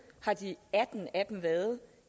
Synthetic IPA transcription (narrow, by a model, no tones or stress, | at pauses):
hɑ̈d̥iæd̥n̩æd̥emʋæːɐð̩ˠ